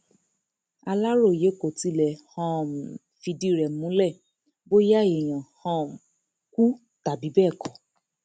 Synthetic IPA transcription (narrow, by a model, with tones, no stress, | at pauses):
a˧la˦ɾo˦˨je˨˦ko˨ti˧˦lɛ˨hã˧˨ | fi˧di˦˨ɾɛ˨mũ˨˦lɛ˦˨ | bo˦ja˦e˨j̃ã˨hã˧m˨ | ku˦ | ta˨bi˨˦bɛ˦˨kʰɔ̃˨